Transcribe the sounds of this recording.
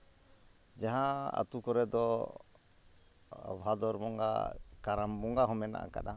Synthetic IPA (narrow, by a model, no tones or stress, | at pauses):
d͡ʒaɦaa̰t̪ukɔɾɛd̪ɔ | bʱad̪ɔɾbɔŋɡa̰kaɾambɔŋɡaɦɔmɛna̰ʔa̰ka̰ɗa